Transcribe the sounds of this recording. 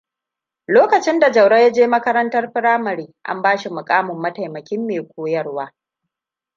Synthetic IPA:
loː˦kɐ˨t͡ʃɪ˦nda˨d͡ʒɐ˨wɽɐ˦ja˦d͡ʒeː˦mɐ˦kɐ˦ɾɐ˦ntɐ˦rɸɪ˦ɾaː˦mɐ˨ɾiː˦ʔa̰˦mbaː˦ʃi˨mʊ˨kʼaː˦mʊ˨mːɐ˦tɐ˨jmɐ˨kʲɪ˦mːeː˨kʷoː˦jɐ˦rwaː˦

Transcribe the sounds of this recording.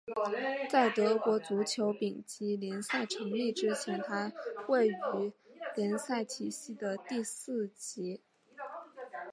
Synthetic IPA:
t͡sa˥˩ɪt̪ɤ˧˥kwɔ˧˥t͡su˧˥t͡ɕʰjo˧˥ʊpi˨˩ŋt͡ɕi˧˥ljɛ˧˥nsa˥˩ɪʈ͡ʂʰɤ˧˥ŋli˥˩ʈ͡ʂɻ̩˥t͡ɕʰjɛ˧˥nt̪ʰa˥we˥˩ɪy˧˥ljɛ˧˥nsa˥˩ɪt̪ʰi˨˩ɕi˥˩d̪ə˨t̪i˥˧sɹ̩˥˩t͡ɕi˧˥

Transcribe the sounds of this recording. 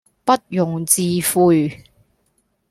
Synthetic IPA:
pɐ˥t̚jʊ˨ŋt͡siː˧fuː˧j

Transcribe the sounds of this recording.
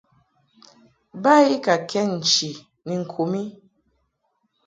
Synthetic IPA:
ba˦i˦ka˨kʰɛ˦n̩˨t͡ʃi˨ | ni˨ŋ̩˨kʰu˨mi˦

